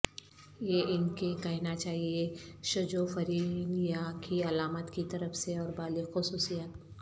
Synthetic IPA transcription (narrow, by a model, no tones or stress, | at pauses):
jeʔɪnkekɐɦnat͡ʃaːɦieʃɐd͡ʒofɐɾiːnjakiɐlaːmət̪kit̪ɐɾəfseɔːɾbaːlixʊsuːsijaːt̪